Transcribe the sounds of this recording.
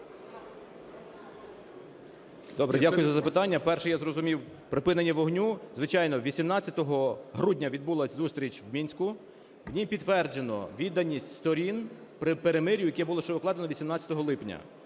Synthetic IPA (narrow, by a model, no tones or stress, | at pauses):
d̪ɔbɾɛdʲakʊjʊzɐzɐpɪt̪ɑnʲːɐpɛrʃɛjazrɔzʊmʲiw | pɾɪpɪnenʲːɐʋɔɦnʲuzʋɪt͡ʃɑjnɔʋʲisʲimnɑt͡sʲɐt̪ɔɦɔɦɾudʲnʲɐʋʲid̪̚bulˠɐsʲzust̪ɾʲit͡ʃwmʲinʲsʲkʊ | wnʲijpʲid̪ːʋɛrd͡ʒenɔ̰ʋʲid̪ɐnʲisʲtʲst̪ɔɾʲinpɾɪpeɾemɪɾʲjʊjɐkɛbʊlˠɔʃt͡ʃɛʊklˠɑd̪enɔʋʲisʲimnɑt͡sʲɐ̥t̪ɔɦɔlˠɪpnʲɐ̰